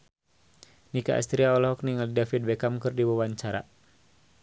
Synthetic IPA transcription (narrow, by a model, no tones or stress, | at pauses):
nika̰ʔa̰st̪ɾiaɔlɦɔk̚niŋalidafid̪̚bɛkamkɨrdiwawaɲt͡ʃaɾa̰